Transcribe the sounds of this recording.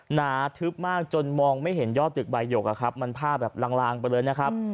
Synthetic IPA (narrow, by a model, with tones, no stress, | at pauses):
naː˩˦t̪ʰɯ˦˥p̚maː˥˩k̚t͡ɕo˧nmɔː˧ŋma˥˩jɦe˩˦njɔː˥˩t̪̚ːɯ˨˩k̚ba˧jːo˨˩k̚ʔa̰˨˩kʰa˦˥p̚ma˧npʰaː˥˩bɛː˨˩p̚la˧ŋlaː˧ŋpa˧jlɤː˧jna˦˥kʰa˦˥p̚